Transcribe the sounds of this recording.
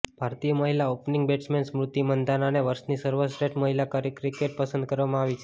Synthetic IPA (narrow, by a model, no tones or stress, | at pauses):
bʱaɾt̪ijəməɦilaopniŋɡbeʈsmensmɾut̪ːimənd̪ananeʋəɾsniːsəɾʋəsɾeʈməɦilakəɾikɾikeʈ̚pəsənd̪̚kəɾʋamaaʋit͡ɕe